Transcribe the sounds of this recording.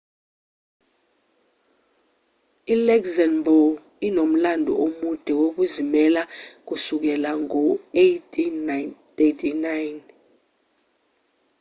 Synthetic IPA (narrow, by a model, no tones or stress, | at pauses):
ilɛkzanbɔl | inom̩landʱṵomud̥ʱɛwok̬uzimɛlak̬usuk̬ɛlaŋɔetʰʼi | etʰinajn